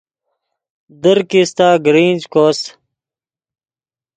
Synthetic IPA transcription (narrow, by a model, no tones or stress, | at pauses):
d̪əɾkist̪aːɡɾiːnʲd͡ʑkoːs